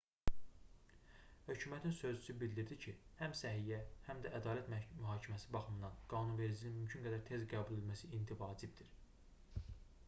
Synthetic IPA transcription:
hø̞cʰymæt̪ʰinsø̞zysybild̪iɾd̪icʰihæmsæɦijæhæmd̪æʔæd̪ɑːlæt̪mmyɦɑːcʰimæsibɑχɯmnd̪ɑnɡ̥ɑːnunve̞ɾd͡ʒininmymcʰynɡæd̪æɾt̪ʰe̞zɡæːbulelmæsiint̪ʰivɑːd͡ʒibd̪iɾ

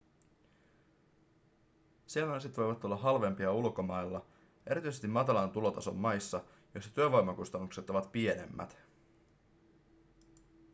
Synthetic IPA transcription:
sielmɑset̪ʋo̞jʋɑt̪ːulːɑɦɑlʋe̞mpiɑulko̞mɑjlːɑ | ʔe̞ɾit̪yisest̪imːɑt̪ɑlɑnt̪ulo̞t̪ɑso̞̰mːɑjsːɑ | jo̞jsːɑ̥t̪yøʋojmɑkust̪ɑnːukse̞t̪o̞ʋɑt̪pie̞ne̞̰mːæ̰t̪

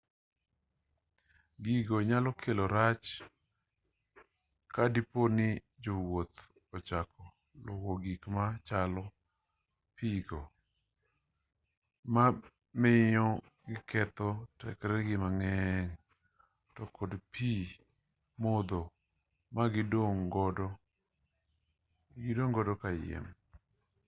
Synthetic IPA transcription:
ɡiɡoɲalɔkʰeloɾat͡ʃ | kadiponɪ | d͡ʒowot̪ | ɔt͡ʃakɔ | lowoɡikmat͡ʃalɔ | piɡo | ma | mɪjɔ | ɡɪkɛt̪ɔtɛ̰kɾɛɡɪmaŋɛŋ | tɔkʰodpʰi | mɔd̪o | maɡɪdoŋɡɔdɔ | ɡɪdoŋɡɔdɔkajɪ̰m

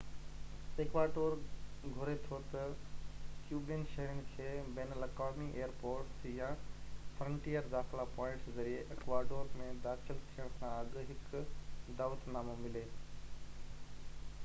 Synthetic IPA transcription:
eːkʋaːɖoːɾɡʱʊɾet̪ʰot̪ɐ | kjuːbɪnʃɐɦɾɪñɪ̆kʰeːbeːnəlekɔːmiʔeːəɾpoːɾʈsjãːfɾə̃ɳʈijəɾd̪aːxɪlapɔ̃ːɪ̃ɳʈszɐɾieʔekʋaːɖoːɾmẽd̪aːt͡ʃəlt̪ʰijəɽ̃kʰãɐɠɦɪkd̪aːʋət̪naːmomɪleː

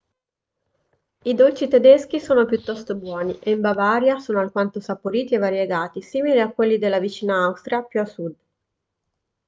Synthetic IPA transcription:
id̪olt͡ʃit̪ed̪esk̟isoːnopjut̪ːɔst̪obwɔːniʔeimbavaːɾjasoːnoalkwant̪osapoɾiːt̪ievːaɾjeɡaːt̪isiːmiliakːwelːid̪elːavit͡ʃiːnaawst̪ɾjapjuasud̪

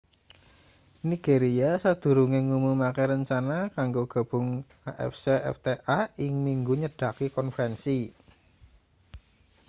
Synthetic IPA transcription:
niɡ̥eɾiasad̪̥ṳɾuŋeŋumumakɛɾəɲt͡ʃanakaŋɡoɡ̥a̤b̥ʊ̤ŋ | aʔɛ̰fseʔɛ̰ft̪eʔaɪŋmiŋɡuɲəɖ̥a̤kikɔnfəɾɛnsi

